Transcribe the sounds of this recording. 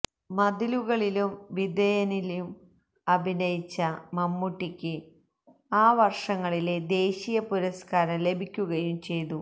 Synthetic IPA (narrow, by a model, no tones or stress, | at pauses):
mɐd̪iluɣɐɭilumʋid̪ɐjɐniljum | ɐbʱinɐjit͡ɕːɐmɐmːuʈːikʲːɨ | aːʋɐrʂɐŋːɐɭiled̪e̞ːɕijɐpuɾɐskaːɾɐle̞bʱikʲːuɣɐjumt͡ɕe̞jt̪u